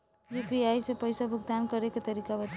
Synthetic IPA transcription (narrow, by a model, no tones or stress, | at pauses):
jipiajsepəjsabʱʊɡ̚d̪ankəɾeket̪əɾikabət̪